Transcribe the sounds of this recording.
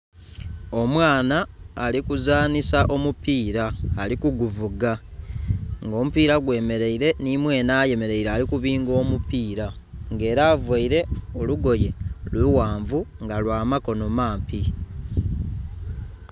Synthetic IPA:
o̞mwaːnaːlikuzaːnisaʔo̞mupiːɾaːlikuɡuvuɡa | ŋɡo̞ːmupiːɾaɡwe̞ːme̞ɾe̞iɾe̞nimwe̞ːnaːje̞me̞ɾe̞iɾeːlikuβiːŋɡo̞ːmupiːɾaŋɡe̞ːɾaːvwaiɾe̞o̞luɡo̞je̞lwiwaːɱvuŋɡalwaːmako̞no̞maːmpi

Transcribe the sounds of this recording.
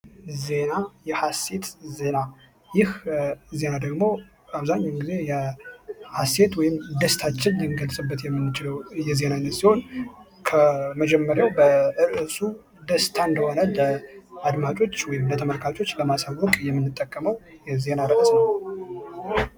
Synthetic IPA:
ze̞najɛhase̞t̪ze̞na | jɪhze̞nad̪əɡmo̞ | aβzaɲːawmɡize̞jɛ | hase̞t̪wɔjɪmd̪əst̪ʰat͡ʃːɪnjɪŋɡəlsʼɨbːət̪jɛmːɨnːɨt͡ʃɪləwjɛze̞nansiho̞n | kʰəməd͡ʒɛmːəɾjawbəʔɨɾʔɨsu | d̪əst̪ʰand̪əho̞nələad̪mat͡ʃʼo̞t͡ʃːwɔjɪmlət̪ʰəməlkʰat͡ʃʼo̞t͡ʃːləmasawwɔkʼjɛmːɨnːɨt̪ʼːəkʼːəməwjɛze̞naɾəəsnəw

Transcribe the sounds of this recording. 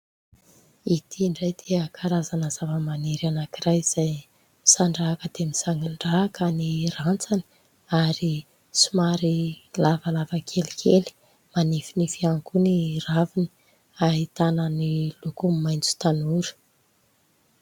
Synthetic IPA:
it̪ʰiɳɖ͡ʐajd̪̥eakʰaɾazanəzavəmaneɾanakirajz̥aj | misaɳɖ͡ʐaɦkəd̪̥emisaŋɡiɳɖ͡ʐaːkənirant͡sani̥ | aɾi | sumaɾilavalavəkʰelikʰeli̥ | manifinifiaŋkuniravini̥ | aɦit̪anənilukummːajnt͡su̥t̪anuɾə̥

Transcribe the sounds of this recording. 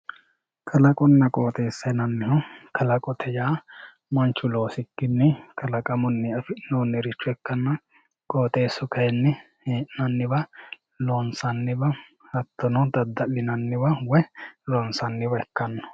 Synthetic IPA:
kʰɐlɐkʼɔnːɐkʼoːt̪ʼe̞ːsːɐnɐnːɪhɔkʰɐlɐkʼɔt̪ʰɛjaː | mɐnt͡ʃːʊlo̞ːsɪkːɪnːɪkɐlɐkʼɐmʊnːɛɐfɪnoːnːɛɾɪt͡ʃːʊɛkːɐnːɐ | kʼo̞ːt̪ʼe̞ːsːɔkɐjɛnːɪ | heːʔnɐnːɪbɐ | loːnsɐnːɪbɐ | hɐt̪ːɔnɔd̪ɐd̪ːɐlːɪnɐnːɪbɐwɔloːnsɐnːɪbɐɛkːɐnːɔ̥

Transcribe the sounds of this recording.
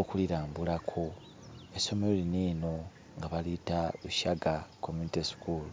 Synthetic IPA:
okuliɾaːmbulakʰo̞ | eso̞meloliniːno̞ | ŋɡaβalitauʃaɡakʰomunitisi̥kuːl

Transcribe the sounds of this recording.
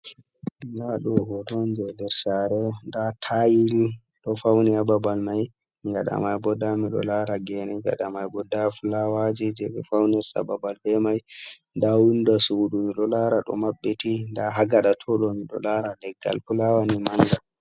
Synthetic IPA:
daɗɔhɔdɔnd͡ʒɛdɛɾsaɾɛndatʰajil | ɗɔfawniababalmaj | ŋɡa̰ɗa̰majbɔdamiɗɔ̰laɾaɡɛnɛŋɡa̰ɗamajbɔdafulawad͡ʒid͡ʒɛɓɛ̰fawnɛɾsa̰babalbɛmaj | ndawundasuɗumiɗɔlaɾaɗɔ̰mabːetindaɦaɡaɗatʰɔlomiɗɔ̰laɾalɛɡːa̰lfulawanimanɡa

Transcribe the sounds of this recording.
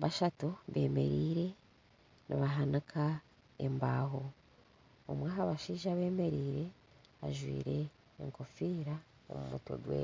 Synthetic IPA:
βaʃatuβe̞̰ːme̞̰ɾiːɾe̞ | niβaɦanakʰa | e̞̰mbaːɦo | omwaːkaβaʃiːʒaβe̞ːme̞ɾiːɾe̞ | a̰ʒwḭːɾe̞̰ː | ŋko̞fiːɾa | o̰mumuto̰ɡwḛː

